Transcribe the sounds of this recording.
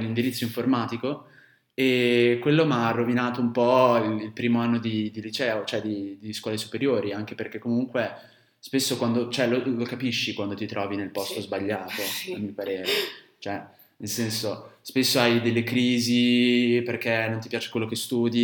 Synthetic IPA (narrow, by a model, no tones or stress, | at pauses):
lːind̪iɾit̪sːoiɱformaːt̪iko | ekːwelːomarːovinaːt̪oumpɔililpɾiːmoanːod̪id̪ilit͡ʃɛːot͡ʃoɛd̪id̪iskwɔːlesu̥peɾjoːɾiaŋk̟eperk̟ekːomuŋkwe | spesːokwand̪ot͡ʃoɛlolokapiʃːikwand̪ot̪it̪ɾɔːvinelpɔst̪ozbaʎːaːt̪oamːiopaɾeːɾe | t͡ʃoɛ | nelsɛnsospesːoajd̪elːekɾiːziperk̟enːont̪ipjaːt͡ʃe̥kwelːokest̪uːd̪i